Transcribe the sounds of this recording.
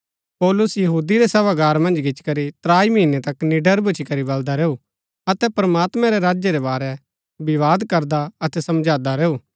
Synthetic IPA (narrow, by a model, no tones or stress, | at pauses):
pɔːlʊsjɐɦuːd̪iɾesɐʋaɡaːɾmɐ̃nd͡ʒɡɪt͡ʃkɐɾit̪ɾaːiminet̪ɐknɪɖəɾbʊt͡ʃʰikɐɾibɐld̪aɾɛːu | ɐt̪ɛpɾmaːt̪mɛ̃ɾɛɾaːd͡ʒjeɾɛbaːɾɛ | bɪʋaːd̪kɐɾd̪aɐt̪ɛsɐ̃md͡ʒaːd̪aɾeːuː